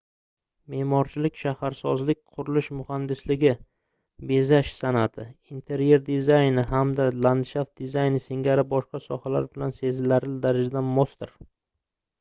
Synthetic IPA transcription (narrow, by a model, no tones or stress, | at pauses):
me̞mɒɾt͡ʃʰɪlɪkʲʃahaɾsɒzlɪk̚ʲqʰʊɾɪlˠɪʃmʊhand̪ɪslɪɡʲɪ | be̞zaʃsanat̪ʰɪint̪ʰe̞ɾje̞ɾd̪ɪzajnɪɦamd̪aland̪ʃaft̪̚d̪ɪzajnɪsɪŋʲaɾɪbɒʃqɑsɒhala̰ɾbɪlanse̞zɪlaɾɪld̪aɾad͡ʒad̪amost̪ɪɾ